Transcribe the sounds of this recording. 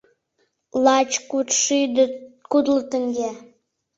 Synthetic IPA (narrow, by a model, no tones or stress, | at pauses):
lɑt͡ɕkut̪ʃyd̪kud̪lət̪ə̆ŋɡʲe